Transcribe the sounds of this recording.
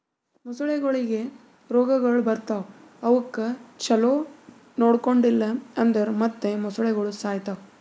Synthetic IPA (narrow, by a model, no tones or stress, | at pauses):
mɐsuɭɛɡɐɭiɡe̞ | ɾoːɡɐɡɐɭbɐɾt̪ɐʋ | ɐʋɐkːɐt͡ʃɐloː | noːɽkoɳɖilːɐɐnd̪ɐɾmɐt̪ːemɐsuɭɛɡɐɭusaːjt̪ɐ